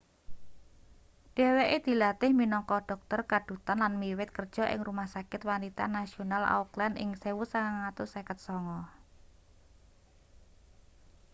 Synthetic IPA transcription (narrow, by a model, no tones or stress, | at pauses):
ɖ̥eweʔed̪̥i̤lat̪ɪhminɔŋkɔɖ̥ɔ̤k̚t̪ɔrkaɖ̥ṳt̪anlanmiwɪt̪̚kərd̥ʒ̥ɔ̤ʔɪ̰ŋrumahsakɪt̪wanit̪a̰nasionala̰uklandɪ̰ŋsewusaŋaŋat̪ʊsekət̪̚sɔŋɔ